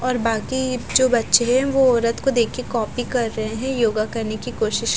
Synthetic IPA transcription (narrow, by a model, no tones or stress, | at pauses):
ɔːɾbaːkid͡ʒoːbɐtːʃeɦɛ̃ʋoɔːɾət̪kod̪eːkʰkekɔːpikɐɾːɐɦeɦɛ̃joːɡakɐɾnekikoːʃɪʃ